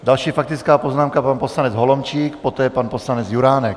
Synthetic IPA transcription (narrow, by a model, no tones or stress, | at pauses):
dalʃiːfak̚t̪ɪt͡skaːpoznaːmkapanposlanɛd͡zɦolomt͡ʃiːkpot̪ɛːpanposlanɛt͡sjuɾaːnɛk̚